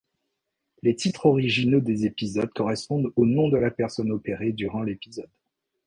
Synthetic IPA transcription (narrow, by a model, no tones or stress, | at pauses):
let̪it̪χɔʁiʒinod̪ezepizɔd̪̚kɔʁɛspɔ̃d̪onɔ̃d̪əlapɛʁsɔnɔpeʁed̪yʁɑ̃lepizɔd̪